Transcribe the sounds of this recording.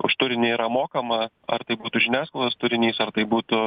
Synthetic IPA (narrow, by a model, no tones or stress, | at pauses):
ʊ̰ʃt̪ʊɾʲɪnʲɪiːɾɐmoːkɐmɐ | ɐ̰rt̪ɐɪbuːt̪ʊʒʲɪnʲæːskolˠd̪ɐst̪ʊɾʲɪnʲiːsɐrt̪ɐɪbuːt̪ʊ